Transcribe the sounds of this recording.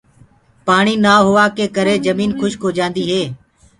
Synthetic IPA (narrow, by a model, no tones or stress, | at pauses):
paːɳiːnaːɦʊʋaːkeːkəɾeːd͡ʒəmiːnkʰʊʃkoːd͡ʒãːnd̪iːɦeː